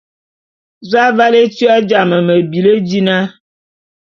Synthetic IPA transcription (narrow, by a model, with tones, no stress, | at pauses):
za˦va˦le˦tɥa˦d͡ʒa˨mə˨mə˨bi˨lə˦d͡ʒi˦na˦